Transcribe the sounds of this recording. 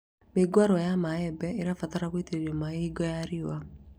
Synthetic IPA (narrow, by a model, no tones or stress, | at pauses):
meɡwaɾɔjamaɛbɛeɾafataɾaɣweteɾeɾiamaiɡɔjaɾiwa